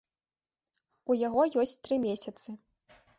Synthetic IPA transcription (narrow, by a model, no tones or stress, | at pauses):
ujaɣɔjɔsʲt͡sʲt̪ɾɨmʲesʲɐt̪sɨ